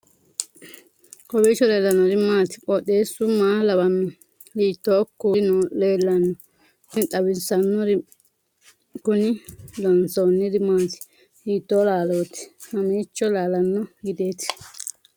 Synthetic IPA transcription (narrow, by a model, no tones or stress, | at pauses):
kɔbeːt͡ʃːɔleːlːɐnːɔɾɪmaːt̪ɪ̥pʼɔɗe̞ːsʊmaːlɐbɐmːɪ | liːt̪ːoːkːunɔle̞ːlːɐnːɔ | ɪt̪ʼɐwɪsɐnːɔɾɪ | kʊnɪlɔnsoːnːɪd̪ɪmaːt̪ɪ̥ | liːt̪ːoːlaːloːt̪ɪ̥hɐmiːt͡ʃːɔlaːlɐnːɔɡɪd̪e̞ːt̪ɪ̥